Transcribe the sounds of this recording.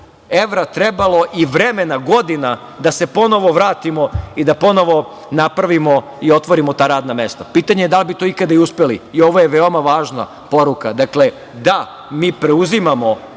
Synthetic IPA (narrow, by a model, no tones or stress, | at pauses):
e̞ʋɾat̪ɾebalo̞ʔiʋɾeme̞naɡo̞d̪ina | d̪ase̞po̞no̞ʋo̞ʋɾaːt̪imo̞id̪apo̞no̞ʋo̞ | napɾaʋimo̞ | io̞t̪ʋo̞ɾimo̞t̪aːɾaːd̪name̞st̪apiːt̪aɲejd̪alibit̪o̞ikad̪aiuspe̞liːo̞ʋoje̞ʋe̞omaʋaːʒna̰ | po̞ɾukad̪akle̞ | d̪a | miːpɾe̞uzimamo̞